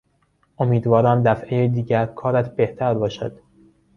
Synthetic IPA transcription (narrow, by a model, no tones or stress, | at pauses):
ʔomiːd̪vɒːɾæmd̪æfʔejed̪iːɟæɾkʰɒːɾæt̪ʰb̥eht̪ʰæɾbɒːʃæ̰d̪̥